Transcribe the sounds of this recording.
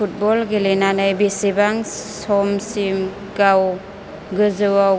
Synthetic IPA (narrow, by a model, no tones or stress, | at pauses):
ut̚bɔlɡilenanajbisibaŋsɔmsim | ɡaw | ɡɯzɯwa